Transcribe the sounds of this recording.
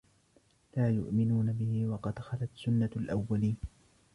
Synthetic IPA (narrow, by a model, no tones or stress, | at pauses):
laːjʊ̰ʔmɪnuːnabɪhɪwɑqɑd̪xalat̪sʊnːalʔawːaliːn